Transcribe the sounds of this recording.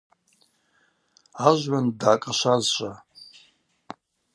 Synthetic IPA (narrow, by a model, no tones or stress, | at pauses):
aʒʷɥandʕakʼaʃʷazʃʷʼa